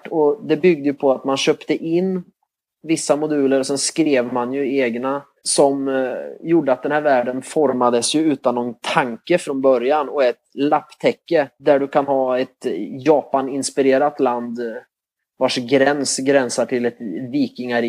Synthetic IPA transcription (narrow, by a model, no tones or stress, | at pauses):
ɔd̪ɛbʏɡ̚d̪əjɵpʰɔat̪manɕœːpt̪əʔɪnː | vɪsːamʊd̪ʉ̟ːləɾɔsɛnskɾeːvmanjɵeːɡna | sɔmjʊɖːəat̪̚d̪ɛnhæːɾvæːɖənfɔɾmad̪əsjɵʉ̟ːt̪anːɔnt̪ʰaŋkəfɾɔnbœɾjanɔɛt̪lapːt̪ʰɛkːəd̪æɖɵkʰanhɑːɛt̪jɑːpanɪnspɪɾeːɾat̪land̪ | vaʂɡɾɛnsɡɾɛnsaʈʰɪlɛt̪viːkɪŋaɾ